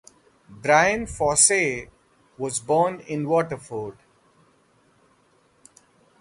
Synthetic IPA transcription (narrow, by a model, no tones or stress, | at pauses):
bɾaɪə̃nfɔːse | ʋɔzbɔːnɪ̃nʋɔːʈəɾfoːɾɖ